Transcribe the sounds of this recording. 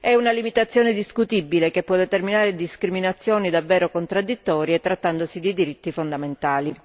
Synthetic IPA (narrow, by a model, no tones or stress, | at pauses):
ɛunalimit̪at̪sːjɔːned̪iskut̪ibːilekepːwɔd̪ːet̪erminaːɾed̪iskɾiminat̪sːjɔːnid̪avːɛːɾokont̪ɾad̪ːit̪ːɔːɾjet̪ːɾat̪ːand̪osid̪id̪iɾit̪ːifond̪ament̪aːli